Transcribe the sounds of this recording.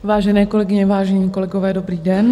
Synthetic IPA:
ʋaːʒɛnɛːkɔlɛɡiɲɛʋaːʒɛniːkɔlɛɡɔʋɛːd̪ɔbɾiːdɛn

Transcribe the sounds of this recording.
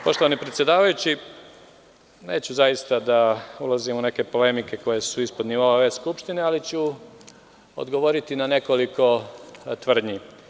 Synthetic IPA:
po̞ʃt̪o̞ʋanipɾet̪sjed̪aːʋajut͡ɕi | ne̞ːt͡ɕuzajist̪ad̪aulˠazimune̞ke̞po̞le̞mike̞ko̞je̞suispo̞d̪niʋo̞aʋe̞ːskupʃt̪inealit͡ɕu | o̰d̪ɡo̞ʋo̞ɾit̪inane̞ko̞liko̞t̪ʋr̩d̪ɲi

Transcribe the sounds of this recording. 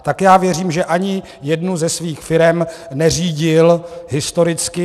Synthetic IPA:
t̪akjaːvjɛr̝iːmʒɛʔaɲɪ | jɛdnuzɛsviːxfɪɾɛm | nɛr̝iːɟɪlɦɪst̪o̞ɾɪt͡skɪ

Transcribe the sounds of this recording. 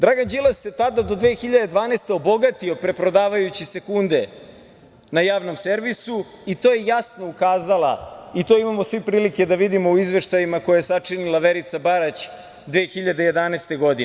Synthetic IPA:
d̪ɾaːɡand͡ʑilasjet̪ad̪ad̪o̞d̪ʋexiʎad̪e̞d̪ʋaːnest̪e̞o̞bo̞ɡat̪io̞pɾe̞pɾo̞d̪aːʋajut͡ɕise̞kund̪e̞ | najaːʋno̞mseɾʋisu | it̪o̞ːjejasno̞ukaːzalˠa̰it̪o̞imamosʋipɾiːlike̞d̪aʋid̪imo̞uizʋe̞ʃt̪ajimako̞jajesat͡ʂinilˠaʋeɾit̪sabaɾat͡ɕ | d̪ʋeːxiʎad̪eje̞d̪anest̪e̞ɡo̞d̪ine

